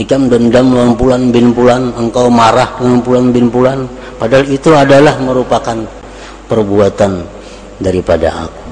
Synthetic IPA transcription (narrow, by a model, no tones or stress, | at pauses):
ikamdəndamluampulanbɪnpulanəŋkawmaɾahdəŋampulanbɪnpulan | padaɦalit̪uadalahməɾupakan | pərbuat̪an | daɾipada̰a̰ku̥